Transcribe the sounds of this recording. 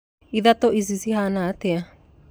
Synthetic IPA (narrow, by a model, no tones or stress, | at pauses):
iðatoʔizizihanat̪ea